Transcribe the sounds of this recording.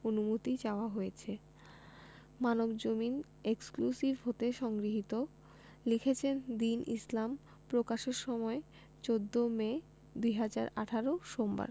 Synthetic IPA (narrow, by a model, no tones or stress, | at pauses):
onumot̪it͡ɕaoaɦojet͡ɕʰe | manobd͡ʑomin | eksklusibɦot̪eʃɔŋɡɾiɦit̪o | likʰet͡ɕʰend̪inʔislam | pɾokaʃeɾʃɔmɔe | t͡ɕod̪ːome | d̪ujɦad͡ʑaɾaʈʰaɾoʃomba̰ɾ